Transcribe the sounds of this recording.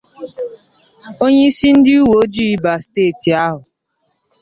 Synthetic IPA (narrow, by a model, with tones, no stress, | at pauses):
o˦ɲe˦i˦si˦n̩˦dɪ˦u˦wo˨˦d͡ʒi˦i˦ba˨steː˦˨ti˨a˦ɦʊ˨